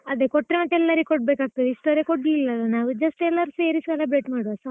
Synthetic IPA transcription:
ɐd̪ekɔʈːɾemɐt̪ːeɛlːɐɾekɔɖ̚beːkaːɡ̚t̪ɐd̪iʂʈoɾekoɖiilːɐlːɐnaːʋud͡ʒɐsʈɛlːɐɾuseːɾisʋɐlɐbɾeʈmaːɽuɐsɐ

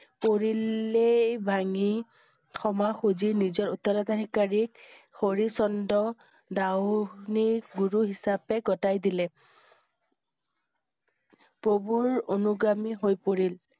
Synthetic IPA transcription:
poɹilːebʱaŋi | xɔmaxuzinizɔɹutːalɔtadʱikaɹikxoɹisɔndɔ | dawniɡuɹuɦisapɛɡɔtajdilɛ | pobuɹonuɡɹamiɦojpoɹil

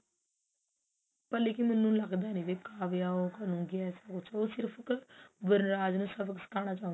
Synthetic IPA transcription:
pəlːeːkimɪnːũːlɐɡd̪aːnĩʋekaːʋejaːoːkənũːɡiɛːsakʊt͡ʃʰosɪɾpʰkbəɾɾaːd͡ʒnũːsəbksɪ̥kʰaːñaːt͡ʃaːɦũ

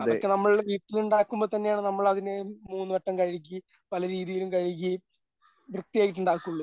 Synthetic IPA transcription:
ɐɐrkːɨnɐmːɐɭʋiːʈːiluɳɖaːkːumbo̞ːt̪ɐnːejaːɳɨnɐmːɐɭɐðinemuːnːɨʋɐʈːɐmkɐɻik̬ʲːi | pɐlɐɾiːðijilumkɐɻik̬ːi | ʋrɨt̪ːijeːjiʈ̬ːuɳɖaːkːuɭːɐ

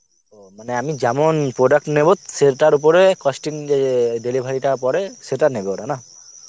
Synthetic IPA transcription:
omaneamid͡ʒamɔnpɾoɖak̚ʈnebot̪̚seʈaɾup̬ɔɾekɔsʈiŋd͡ʒedelibʱaɽiʈapɔɾeseʈanebewɾana

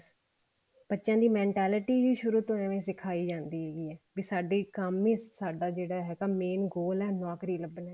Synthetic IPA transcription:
b̥ətːʃãːd̪iːmɛ̃ːɳʈɛːlɪʈiːʋiːʃʊɾuːt̪õːɛ̃ːʋẽːsɪkʰaːiːd͡ʒãːnd̪iːɦeːɡiːɛːʋiːsaːɖiːkəmẽːsaːɖaːd͡ʒeːɽaːɦɛːkaːmeːnɡoːlɛːnaːkɾiːləbənɛː

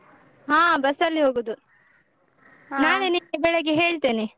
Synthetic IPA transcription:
ɦãːbɐsɐlːiɦoːɡoːd̪u | naːɭeniːbɛɭɛɡeɦe̞ːɭt̪eːne

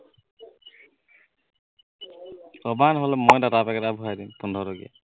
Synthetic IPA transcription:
ɔbanɦɔlɔmojdatapɛkɛtabʱuɦajdimpundʱɔɾɔɡḭa̰

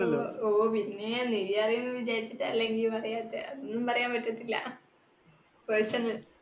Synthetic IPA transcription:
ɐooːpinːeniðijɐrijunːɨʋid͡ʑaːɾit͡ɕːiʈːlːe̞ŋɡilpɐrɐjaːt̪ːḛʔɐðunːumpɐrɐjaːmpɐʈːɐt̪ːilːɐ̰ | persɐnɐl

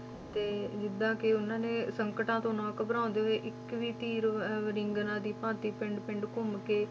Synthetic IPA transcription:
t̪eːd͡ʒɪd̪ãːkɪʊnãːnẽːsəŋkəʈãːt̪õːnɔ̃ːkəbəɾãːnd̪eːoeːʔɪkʋiːt̪iːɾɾɪŋɡnãːd̪iːpãːt̪iːpɪ̃ɳɖpɪ̃ɳɖkʊmkeː

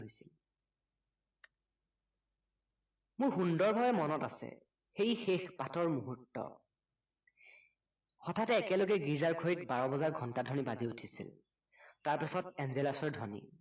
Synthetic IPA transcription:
jsil | mʊɹxundɔɹbʱabɛmɔnɔtasɛ̰ | xejxexpatʰɔɹmuɦutːɔ̰ | xɔtʰatɛːkɛloɡɛɡizaɹkʰoɹitbaɹɔbɔzaɹɡʱɔntadʱɔnibaziutʰisḭl | taɹpasɔtɛnzelasɔɹdʱɔnḭ

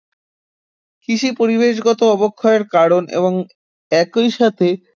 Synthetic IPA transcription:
kiʃipoɾibeʃ̬ɡɔt̪oɔbokʰːaeɾkaɾonḛboŋ | ɛkojʃat̪ʰe

